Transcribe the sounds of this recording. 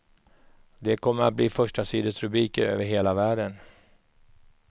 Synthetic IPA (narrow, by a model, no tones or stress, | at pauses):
d̪ɛkʰɔmːəɾat̪̚bliːfœʂʈasiːd̪əsɾɵbɾiːkəɾø̰ːvəɾɦeːlavæːɖən